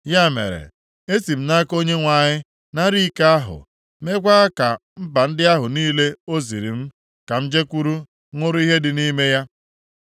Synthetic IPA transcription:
ja˦˨mḛ˨ɾḛ˨ | e˦si˨m̩˦na˦ko˦ɲe˦ŋʷa˨ɲɪ˦ | na˦ɾi˦ka˦a˦ɦʊ̰˨ | me˦kʷa˦a˦ka˨m̩˦ba˨n̩˦dɪ˦a˦ɦʊ˨niː˦le˦o˦zi˨ɾḭ˨m̩˦ | ka˨m̩˦d͡ʒe˦kʷu˦ɾu˦ | ŋʷʊ˦ɾʊ˦i˦ɦe˦dɪ˨ni˦me˦ja˦

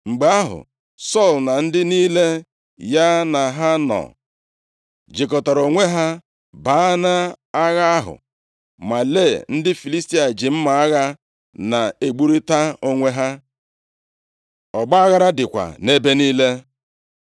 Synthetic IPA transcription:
ŋ͡m̩˨ɡ͡be˨a˦ɦʊ̰˨ | sɔ˦˨lna˨n̩˦dɪ˦niː˦le˦ | ja˦na˨ɦa˦nɔ̰˨ | d͡ʒi˨kɔ˨ta˨ɾo˨ŋʷe˦ɦa˦ | ba˨˦na˦a˦ɣa˦a˦ɦʊ̰˨ | ma˨le˦˨n̩˦dɪ˦fi˨li˦sti˦a˨d͡ʒɪ˨m̩˦ma˨a˦ɣa˦ | na˨e˨ɡ͡bu˦ɾi˦ta˦o˦ŋʷe˦ɦa˦ | ɔ˨ɡ͡ba˦a˦ɣa˦ɾa˦dɪ˨kʷa̰˨ne˦be˦niː˦le˦

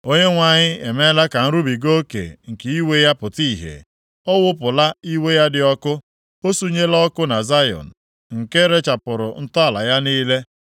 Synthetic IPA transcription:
o˦ɲe˦ŋʷa˨ɲɪ˦e˨me˦la˦ka˨n̩˦ɾu˦bi˨ɡo˦kḛ˨ŋ̩˨ke˨i˦we˦ja˦pʊ˨ti˦˨ɦḛ˨ | ɔ˦wʊ˦pʊ˨la˦i˦we˦ja˦dɪ˨ɔ˦kʊ˦ | o˦su˦ɲe˦lɔ˦kʊ˦na˨za˦jɔ̰˨n̩˨ | ŋ̩˨ke˦ɾe˦t͡ʃa˨pʊ˨ɾʊ˨n̩˦tɔ˦a˨la˨ja˦niː˦le˦

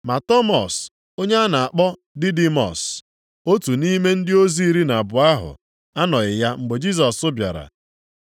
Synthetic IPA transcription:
ma˨tɔ˦mɔ˨s | o˦ɲe˦a˦na˨a˨k͡pɔ˦ | dɪ˦di˦mɔ̰˨s | o˦tu˨ni˦me˦n̩˦dɪ˦o˦zi˦i˦ɾi˦na˨bʊ˨a˦ɦʊ̰˨ | a˦nɔ˨ɣɪ˨ja˦ŋ͡m̩˨ɡ͡be˨d͡ʒi˦s̬ɔ˨sʊ˦bja̰˨ɾa̰˨

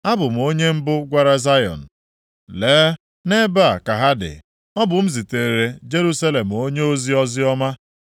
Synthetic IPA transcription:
a˦bʊ˨m̩˨o˦ɲe˦m̩˦bʊ˦ɡʷa˦ɾa˦za˦jɔ̰˨n̩˨ | leː˨˦ | ne˦ba˦˨ka˨ɦa˦dɪ̰˨ | ɔ˦bʊ˨m̩˦zi˨te˨e˨ɾe˦d͡ʒe˦ɾu˦sa˦le˨m̩˨o˦ɲe˦o˦zi˦ɔ˦zɪ˦ɔ˦ma˦

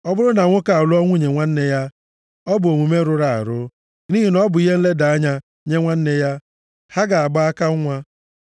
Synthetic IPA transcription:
ɔ˦bʊ˦ɾʊ˦na˨ŋʷʊ˦ka˨lʊ˦ɔ˦ŋʷʊ˦ɲe˨ŋʷa˦n̩˦ne˦ja˦ | ɔ˦bʊ˨o˨ŋʷu˨me˦ɾʊ˦ɾa̰˨ɾʊ˦ | niː˦ɦi˨nɔ˦bʊ˨i˦ɦe˦n̩˦le˦da˨a˦ɲa˦ | ɲe˦ŋʷa˦n̩˦ne˦ja˦ | ha˦ɡa˨a˨ɡ͡ba˦a˦ka˦ʊ˦ŋʷa˦

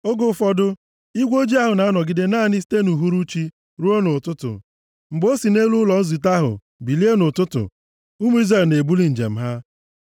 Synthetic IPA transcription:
o˦ɡo˦fɔ˦dʊ˦ | i˦ɡʷo˦d͡ʒi˦a˦ɦʊ˨na˨a˦nɔ˨ɡɪ˦de˦naː˦˨nɪ˦si̥˦te˦nu˨ɦu˦ɾu˦t͡ʃi˦ | ɾu˦o˦nʊ˨tʊ˦tʊ̰˨ | ŋ͡m̩˨ɡ͡bo˦si˨ne˦lu˦lɔ˨n̩˦zi˨t̬a˦ɦʊ̰˨ | bi˨li˦e˦nʊ˨tʊ˦tʊ̰˨ | u˦mu˦i˦zɾe˨lne˨bu˦li˨n̩˨d͡ʒḛ˨m̩˦ɦa˦

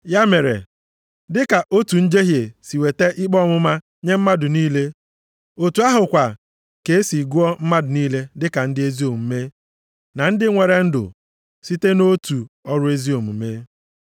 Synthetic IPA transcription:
ja˦me˨ɾḛ˨ | dɪ˦ka˨ʔo˦tu˨n̩˦d͡ʒe˦ɦje˨si˨we˨te˦ʔɪ˦k͡pɔ˦mʊ˦ma˦ | ɲe˦m̩˦ma˦dʊ˨niː˦le˦ | o˨tu˨a˦ɦʊ˨kʷa˨ | ke˨˦e˦si˨ɡu˦ɔ˦m̩˦ma˦dʊ˨niː˦le˦dɪ˦ka˨n̩˦dɪ˦e˦zi˦o˨m̩˦me˦ | na˨n̩˦dɪ˦ŋʷe˨ɾe˨n̩˦dʊ̰˨ | si˦te˦no˦tu˨ɔ˦ɾʊ˦e˦zi˦o˨m̩˨˦me˦

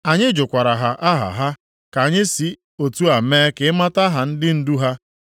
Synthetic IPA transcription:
a˨ɲɪ˦d͡ʒʊ˨kʷa˨ɾa˨ɦa˨ʔa˦ɦa̰˨ɦa˦ | ka˨ɲɪ˦si˨ | o˨tu˦a˨meː˦kɪ˨˦ma˦ta˦ɦa˨n̩˦dɪ˦n̩˦du˦ɦa˦

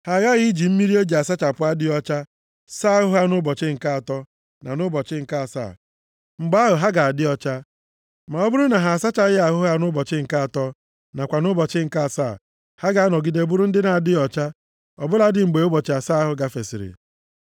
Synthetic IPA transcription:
ha˨ɣa˦ɣɪ˦d͡ʒi˨m̩˦mi˦ɾi˦e˦d͡ʒi˨a˨sa˦t͡ʃa˨pʊ˦a˦dɪ˦ɔ˦t͡ʃa˦ | sa˦ɦʊ˦ɦa˦nʊ˦bɔ˨t͡ʃɪ˦ŋ̩˨ka˦a˨tɔ˦ | na̰˨nʊ˦bɔ˨t͡ʃɪ˦ŋ̩˨ka˦a˨sa̰ː˦˨ | ŋ͡m̩˨ɡ͡ba˦ɦʊ˨ɦa˦ɡa˨a˨dɪ˦ɔ˦t͡ʃa˦ | ma˨ɔ˦bʊ˦ɾʊ˦na˨ɦa˨a˨sa˦t͡ʃa˦ɣɪ˦a˨ɦʊ˦ɦa˦nʊ˦bɔ˨t͡ʃɪ˦ŋ̩˨ka˦a˨tɔ˦ | na˨kʷa˨nʊ˦bɔ˨t͡ʃɪ˦ŋ̩˨ka˦˨sa̰˦˨ | ha˦ɡa˨˦a˦nɔ˨ɡi˨de˨˦˨bʊ˦ɾʊ˦n̩˦dɪ˦na˨a˨dɪ˦ɔ˨t͡ʃa˦ | ɔ˨bʊ˦la˦dɪ˨ŋ͡m̩˨ɡ͡be˨o˦bɔ˨t͡ʃɪ˨˦a˨sa˦ɦʊ˨ɡa˦fe˨si˨ɾɪ̰˨

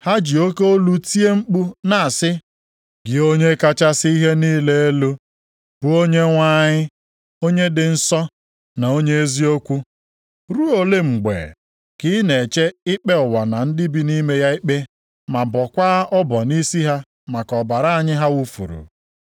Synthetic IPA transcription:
ha˦d͡ʒi˨o˦ke˦o˦lu˦ti˦e˦ŋ͡m̩˦k͡pu˦na˨a˨sɪ˦ | ɡɪ˨o˦ɲe˦ka˦t͡ʃa˦sɪ˦i˦ɦe˦niː˦le˦e˦lo˦ | bu˦o˦ɲe˦ŋʷa˦ɲɪ˦ | o˦ɲe˦dɪ˨n̩˦sɔ˦ | na˨o˦ɲe˦e˦zi˦o˦kʷu˦ | ɾu˦o˨le˦ŋ͡m̩˨ɡ͡bḛ˨ | kɪ˦ne˨t͡ʃe˦ɪ˦k͡pe˦ʊ˨wa˨na˨n̩˦dɪ˦bi˦ni˦me˦ja˦ɪ˦k͡pe˦ | ma˨bɔ˨kʷa˦ɔ˦bɔ˨ni˦si˦ɦa˦ | ma˨kɔ˨ba˨ɾa˦a˨ɲɪ˦ɦa˦wu˦fṵ˨ɾṵ˨

